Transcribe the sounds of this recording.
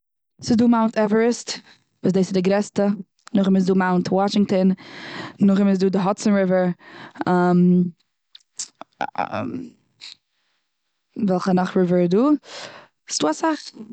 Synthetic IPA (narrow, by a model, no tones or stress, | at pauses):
sɪzduːmaʊntɛvəɹəst | vuːs̬deɪsɪdɪɡɾɛstə | nʊχɪmɪs̬duːmaʊntwɔʃɪŋtən | nʊχɪmɪs̬duːdɪɦɔt͡sənɾɪvəɹam | vɛlˠχənaχɹɪvəɹduː | stuːasaχ